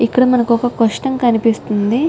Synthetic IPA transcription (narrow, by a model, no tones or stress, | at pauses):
ikːɐɽɐmɐnɐkɔkɐkɐʂʈɐmkɐnipist̪und̪i